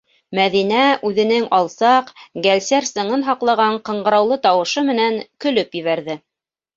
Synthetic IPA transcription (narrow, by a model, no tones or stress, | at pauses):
mæðinæʉðɘ̆nɘŋɑlˠsɑqɡælsæɾsɤ̆ɴɤnɦɑqlˠɑʁɑɴqɤ̆ɴɢɤ̆ɾɑwlˠɤt̪ɑwɤ̆ʃɤmɘ̆næŋkɵ̆lɵpjɘ̆βæɾðɘ